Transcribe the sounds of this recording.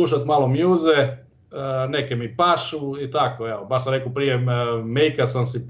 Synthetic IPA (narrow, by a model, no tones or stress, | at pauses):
uʃ̬at̪maːlomjuːze | ne̞kemipaʃuit̪akoeobaʃs̬amɾekopɾijemejkasamsi